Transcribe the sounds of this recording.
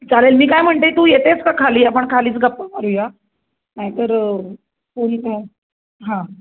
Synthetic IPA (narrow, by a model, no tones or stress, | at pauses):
t͡salelmiːkajm̤əɳt̪et̪uːjet̪et͡skakʰaliːapəɳkʰaliːt͡sɡʱapːakaɾuja | naɦjt̪əɾ | font̪e | ɦã